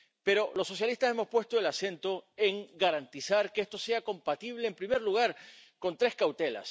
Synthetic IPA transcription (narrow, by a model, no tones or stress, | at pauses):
pe̞ɾo̞lo̞sːo̞s̬jalist̪ase̞mo̞spwe̞st̪o̞elase̞nt̪o̞eŋɡaɾant̪isaɾkeest̪ose̞ako̞mpat̪iβle̞ːmpɾime̞ɾluɣ̞aɾko̞nt̪ɾe̞skawt̪e̞la̰s